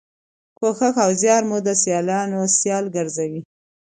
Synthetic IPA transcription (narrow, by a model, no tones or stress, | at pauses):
koxaxawzjɑɾmud̪əsjɑlɑnosjɑlɡaɾzawi